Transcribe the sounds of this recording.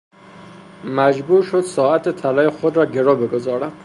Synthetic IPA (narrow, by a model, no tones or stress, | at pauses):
mæd͡ʒbuːɾʃod̪sɒːæt̪ʰet̪ʰælɒːjexod̪ɾɒːɟe̞ɾɒːbe̞ɡo̞zɒːɾæd̪̥